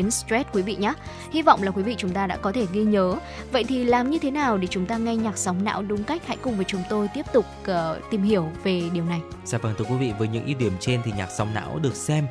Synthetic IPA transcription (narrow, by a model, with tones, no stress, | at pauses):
ənstwɛ˦˥t̚kwi˨˦vḭ˧˨ɲaː˨˦ | hi˧vɔ̰˧˨wŋ͡mlaː˨˩kwi˨˦vḭ˧˨t͡ɕʊ˨˦ŋ͡mt̪aː˧ɗa̰ː˧˥kɔ˨˦t̪ʰe˧˩ɣi˧ɲəː˨˦ | və̰˧˨jt̪ʰi˨˩laː˨˩mɲɨ˧t̪ʰe˨˦naː˨˩wɗe˧˩t͡ɕʊ˨˦ŋ͡mt̪aː˧ŋa˧jɲaː˨˩k̚sa˨˦wŋ͡mna̰ː˧˥wɗʊ˨˦ŋ͡mka˦˥jk̟̚ha̰˧˥jkʊ˨˩ŋ͡mvəː˨˦jt͡ɕʊ˨˦ŋ͡mt̪o˧jt̪i˦˥əp̚t̪ʊ˨˩k͡p̚ːt̪i˨˩mhi˧˩əwve˨˩ɗi˨˩əwna˨˩j | zaː˧˩vaː˨˩nt̪ʰɨ˧əkwi˨˦vḭ˧˨vəː˨˦jɲɨ̰˧˥ŋʔi˧ɗi˧˩əmt͡ɕe˧nt̪ʰi˨˩ɲaː˨˩k̚sa˨˦wŋ͡mna̰ː˧˥wɗɨ˨˩ək̚sɛ˧m